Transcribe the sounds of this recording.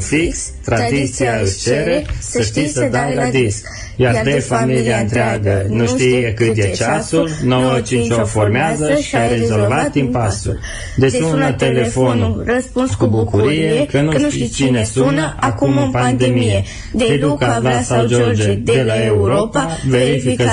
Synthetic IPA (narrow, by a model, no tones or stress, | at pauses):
fiks | t̪ɾad̪it̪siaɨʃt͡ʃe̞ɾe̞səʃt̪isəd̪awlad̪isk | jard̪efamiliaɨnt̪ɾeaɡənuʃiekɨt̪jet͡ʃasulnowət͡ʃint͡ʃoformeazəʃi̥aɾe̞zo̞lvat̪impasṵl | d̪et͡ʃunət̪e̞le̞fo̞nskubukuɾije̞kənuʃt̪it͡ʃine̞sunəʔakumɨpand̪e̞mije | ped̪ukalasawd͡ʒord͡ʒed̪e̞lae̞uɾo̞pave̞ɾifikə